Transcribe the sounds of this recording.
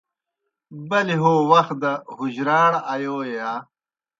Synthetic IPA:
bɐliɦoːwɐxt̪̚d̪ɐɦuʑɾaːɽɐjoːjejaː

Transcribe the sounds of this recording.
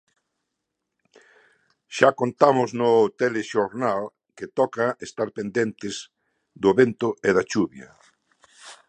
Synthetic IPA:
ʃakont̪amʊznʊt̪eleʃoɾnal | ket̪ɔkaest̪aɾpend̪ent̪ɪz | d̪ʊβent̪ʊʔeð̞at͡ʃuβjɐ̰

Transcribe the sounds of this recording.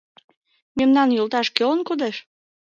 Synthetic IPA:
memnɑnjolt̪ɑʃkølənkod̪eʃ

